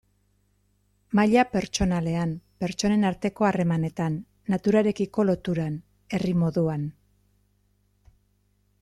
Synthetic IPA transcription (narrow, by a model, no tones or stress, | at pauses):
maʎape̞ɾt͡ʃo̞nale̞ampe̞ɾt͡ʃo̞ne̞naɾt̪e̞ko̞are̞mane̞t̪anː | at̪uɾaɾe̞kiko̞lo̞t̪uɾan | e̞rimo̞ðuan